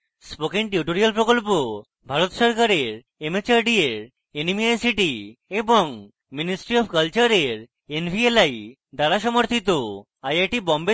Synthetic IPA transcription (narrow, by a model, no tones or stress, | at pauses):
spokinʈjuʈoɾialpɾokolpo | bʱaɾot̪ʃɔɾkaɾeɾ | emet͡ɕaɾɖieɾ | enimiajsiʈieboŋ | minisʈɾiɔbkɐlt͡ɕaɾeɾ | enbʱielaj | d̪aɾaʃɔmoɾt̪ʰit̪o | ajajʈibɔmbe